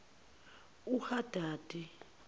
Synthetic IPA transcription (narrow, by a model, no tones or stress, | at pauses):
uhad̥ʱaːd̥ʱʼi